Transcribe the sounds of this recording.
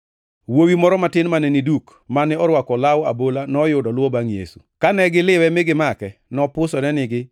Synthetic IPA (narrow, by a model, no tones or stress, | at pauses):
wowimɔɾɔmatɪnmanɛniduk | manɪɔɾwakɔlawabolanɔjʊdɔlʊwɔbaŋjḛsu̥̰kanɛɡɪlɪwɛmɪɡɪmakɛnɔpʊsɔnɛnɪɡɪ